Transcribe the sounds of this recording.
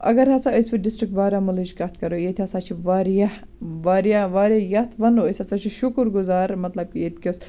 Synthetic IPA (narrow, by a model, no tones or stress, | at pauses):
ɐ̰ɡɐɾɦɐsaəspiɖɪsʈɾik̚ʈbaːɾaːmɐlɐd͡ʒkat̪ʰkɐɾojeːt̪ʰiɐsaːt͡ʃʰiʋaːɾja | ʋaːɾijaʋaːɾajɐt̪ʰʋɐnoəjsɐsat͡ʃʰiʃʊkɾɡʊzaːɾmɐt̪lɐb̚kiet̪kʲis